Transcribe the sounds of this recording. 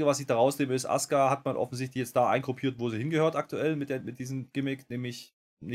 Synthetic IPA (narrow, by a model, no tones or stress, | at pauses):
ɡəvas̬ɪçd̥aʁaʊsneːməɪstʔa̰skahatmanʔɔ̰fn̩zɪç̬tlɪçjɛt͡std̥aːʔa̰ɪnkʁ̥opʰiːɐtv̥oːziːhɪnɡəhøːɐtʔak̚tʰuɛlmɪt̚d̥eːɐmɪt̚d̥iːzəm̩ɡ̥ɪmɪknɛːmɪç | nɪ